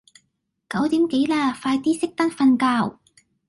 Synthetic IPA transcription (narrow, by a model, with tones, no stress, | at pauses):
kɐ˨˥wt̪iː˨˥mke˨˥jlaː˧faː˧jt̪iː˥sɪ˥k̚t̪ɐ˥nfɐ˧nkaː˧w